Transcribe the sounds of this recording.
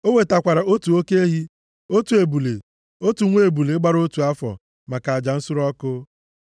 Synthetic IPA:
o˦ŋʷe˨ta˨kʷa˨ɾa˨o˦tu˨o˦ke˦e˦ɦi˦ | o˦tu˨e˨bu˨lḛ˨ | o˦tu˨ŋʷe˦e˨bu˨le˨˦ɡ͡ba˦ɾo˦tu˨a˦fɔ̰˨ | ma˨ka˨a˨d͡ʒa˨n̩˦sʊ˦ɾɔ˦kʊ˦

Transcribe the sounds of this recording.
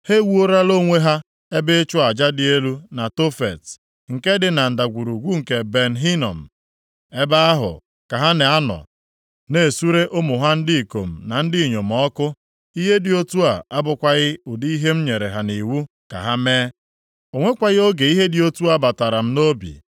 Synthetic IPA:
he˦wu˦o˦ɾa˦lo˦ŋʷe˦ɦa˦ | e˦be˦t͡ʃʊ˦a˨d͡ʒa˦dɪ˦e˦lu˦na˨to˦fe˨t | ŋ̩˨ke˦dɪ˨na˨n̩˨da˨ɡʷu˨ɾu˨ɡʷu˦ŋ̩˨ke˨be˨n̩ɦi˦nɔ̰˨m̩˨ | e˦ba˦a˦ɦʊ̰˨ | ka˨ɦa˦ne˨a˦nɔ̰˨ | ne˨su˦ɾe˦ʔʊ˦mʊ˨ɦa˦n̩˦dɪ˦i˨ko̰˨m̩˨na˨n̩˦dɪ˦˨ɲo˨m̩˨ɔ˦kʊ˦ | i˦ɦe˦dɪ˨o˦tu˦a˨a˦bʊ˨kʷa˦ɣɪ˦ʊ˨di˦i˦ɦe˦m̩˦ɲe˨ɾe˨ɦa˨ni˨wu˦ | ka̰˨ɦa˦meː˦ | o˨ŋʷe˦kʷa˨ɣɪ˦o˦ɡe˨i˦ɦe˦dɪ˨o˦tu˦a˦ba˨ta˨ɾa˨m̩˦no˦bḭ˨

